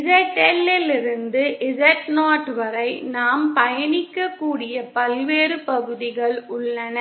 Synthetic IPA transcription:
ɪsɛʈːɛlːɪlɪɾɯnd̪ɯʔɪsɛʈnaːʈʋɐɾɐɪnaːmpɐjɐnɪkːɐkːuːɽɪjɐpɐlʋeːɾɯpɐɣɯðɪɣɐɭʊɭːɐnɐ

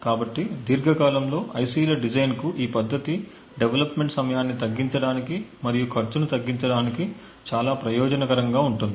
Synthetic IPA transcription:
kaːbɐʈːid̪iːɾɡʱɐkaːlɐmlo̞ːʔɐjsiːlɐɖid͡ʒɐjnkuʔiːpɐd̪ʱːɐt̪i | ɖeʋɐlɐpme̞ɳʈsɐmɐjaːnːit̪ɐɡːiɲt͡ʃɐɽaːnikimɐɾijukʰɐɾt͡ʃunut̪ɐɡːiɲt͡ʃɐɽaːniki | t͡ʃaːlaːpɾɐjɔːd͡ʒɐnɐkɐɾɐŋɡaːuɳʈund̪ii

